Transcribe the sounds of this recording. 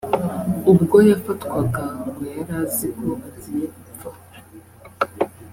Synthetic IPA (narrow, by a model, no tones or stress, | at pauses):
ubɡo̞jafatkwaɡaɡwejaɾazikoβazijekufa | a